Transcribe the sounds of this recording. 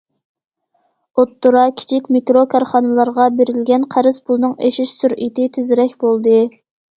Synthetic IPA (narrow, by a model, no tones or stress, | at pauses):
ot̪ːuɾɑkʲʰi̥t͡ʃʰikʲmikɾokʰɑɾχɑnɨlˠɑɾʁɑbeɾɪlɡʲɛnqʰæɾɪzpʰulˠnɨŋeʃiʃsuɾʔit̪ɪt̪ʰɪzɪɾɛkʲbolˠd̪ɨ